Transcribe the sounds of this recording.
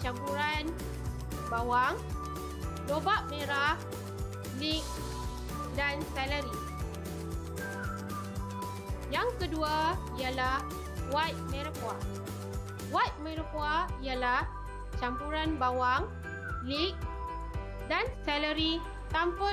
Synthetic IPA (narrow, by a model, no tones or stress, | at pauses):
t͡ʃampuɾan | bawaŋ | dobaʔmẽɾa | lik̚ | dansɛləɾi | jaŋkəduaijalah | wat̪̚mẽɾapua | wat̪̚mẽɾəpuaijalah | t͡ʃampuɾanbawaŋ | lik̚ | dansɛləɾi | t̪ampə